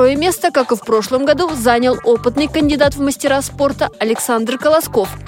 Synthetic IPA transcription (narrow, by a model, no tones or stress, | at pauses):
o̞jəmʲe̞st̪əkakɨfpro̞ʂlˠəmɡad̪uzanʲəlˠo̞pɨt̪nɨjkənʲdʲɪd̪at̪vməsʲtʲɪɾaspo̞rt̪əɐlʲɪksand̪rkəlˠɐsko̞f